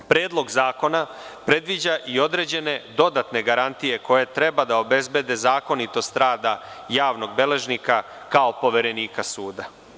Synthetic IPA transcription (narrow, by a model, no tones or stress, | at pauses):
pɾe̞ːd̪lˠo̞ɡzaːko̞na | pɾe̞d̪ʋid͡ʑaʔio̞d̪ɾe̞d͡ʑe̞ne̞d̪o̞d̪at̪ne̞ɡaɾant̪ije̞ko̞je̞t̪ɾe̞bad̪aobe̞zbe̞d̪e̞zaːko̞nit̪o̞st̪ɾaːd̪ajaːʋno̞ɡ̚be̞le̞ʒnika | kao̞po̞ʋe̞ɾe̞niːkasuːd̪a